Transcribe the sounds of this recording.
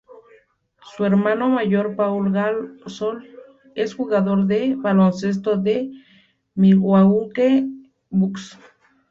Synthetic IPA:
sueɾmanomaʝoɾpaulɣalsol | esxuɣaðoɾðebalonses̬t̪oðe | miɣwauke | buks

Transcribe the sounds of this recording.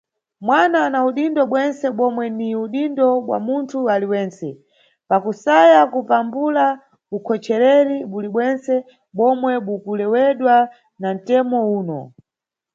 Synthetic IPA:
mwananauɗindɔɓwɛnsɛɓɔmwɛniuɗindɔɓwa̰muntʰualiwɛːnsɛ | pakusajakupambula | ukʰɔt͡ʃɛɾɛɾiɓuliɓwɛnsɛ | ɓɔmwɛɓukulɛwɛɗwa | nan̩tɛmɔuːnɔ̰

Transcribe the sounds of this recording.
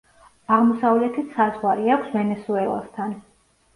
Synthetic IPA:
aʁmɔsavlɛt̪ʰit̪sazʁwaɾiakʷʰsvɛnɛsuɛlˠa̰st̪ʰan

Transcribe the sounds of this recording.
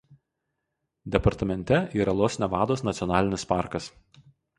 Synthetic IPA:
d̪ʲɛpɐɾt̪ɐmʲɛnʲt̪ʲɛiːɾɐlˠoːsʲnʲɛʋɑːd̪oːsnɐt̪sʲɪɔnɑːlʲɪnʲɪspɑˑɾkɐs

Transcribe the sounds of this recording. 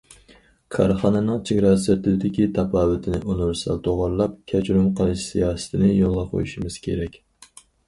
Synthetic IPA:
kʰɑɾχɑːnɛnɨŋt͡ʃʰɪɡʲɾɑsɛt̪ʰɪd̪ɪkʲit̪ʰɑpɑːwɪt̪ʰɪnɪʔunuɾsɑ̰lt̪ʰoʁɑɾlˠɑp̚kʲʰɛt͡ʃʰɾumqʰəlˠɨʃsijɑːsɨ̥t̪ʰɪnɪjolˠʁɑqʰo̰juʃimɪz̥kʲʰḛɾɛkʲ

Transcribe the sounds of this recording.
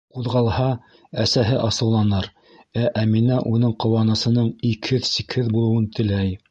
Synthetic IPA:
quðʁɑlˠhɑ | æsæɦɘʔɑsɤ̆wlˠɑnɤɾ | æʔæminæʔunɤɴqŏwɑnɤ̆sɤ̆nɤɴikhɘðsikhɘðbulˠɤ̆wɤnt̪ʰɘ̆læj

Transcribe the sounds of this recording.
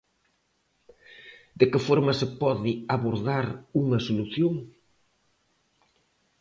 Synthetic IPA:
d̪ekɪfoɾmɐsepɔðɪaβoɾðaɾuŋɐsoluθjoŋ

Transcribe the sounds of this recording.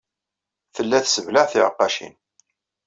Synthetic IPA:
θəlːæθsəvlaʕθɪʕəqːɑʃḭn

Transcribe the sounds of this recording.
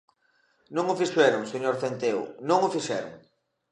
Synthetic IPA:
nõŋʊfiʃɛɾʊŋseɲoɾθent̪eʊ̰nõŋʊfiʃɛɾʊ̰ŋ

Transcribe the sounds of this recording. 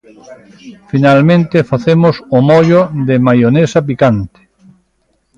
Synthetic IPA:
finalmẽnt̪efaθemʊsomɔʎoðemajonesap̬ikant̪ɪ̥

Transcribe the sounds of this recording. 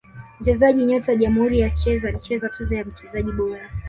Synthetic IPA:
m̩t͡ʃɛzaʄiɲɔtaʄamuhuɾijasi̥t͡ʃɛzaːlit͡ʃɛzatuzɔjam̩t͡ʃɛzaʄiɓɔɾa

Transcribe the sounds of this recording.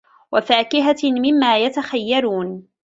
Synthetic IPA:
wafaːkɪɦamɪmːaːjat̪axajːaɾuːn

